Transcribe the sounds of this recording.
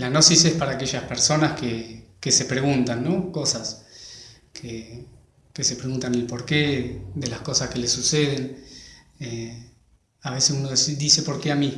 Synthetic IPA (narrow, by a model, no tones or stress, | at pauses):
lano̞sisespaɾaːke̞ʒaspeɾso̞naskekese̞pɾe̞ɣunt̪anːo̞ko̞sas | kʰe | kesepɾeɣunt̪anelpo̞ɾkeðe̞lasko̞saske̞lesuseð̞en | e | aβ̞e̞sesunosid̪ise̞po̞ɾkeami